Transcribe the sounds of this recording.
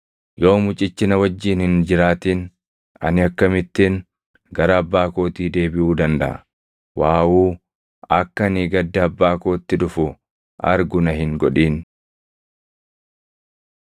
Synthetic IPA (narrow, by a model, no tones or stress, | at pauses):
jo̞ːmʊt͡ʃʼɪt͡ʃːɪnɐwɐd͡ʒːiːnhɪnd͡ʒɪɾaːt̪iːn | ɐ̰nɪɐkːɐmɪt̪ːɪn | ɡɐɾɐːbːaːko̞ːt̪iːd̪e̞ːbɪʔuːd̪ɐnd̪ɐ̰ʔɐ̰ | waːʔuː | ɐkːɐnɪɡɐd̪ːɐɐbːaːkoːt̪ːɪᶑʊfʊ | ʔɐɾɡʊnɐɦɪŋɡɔᶑiːn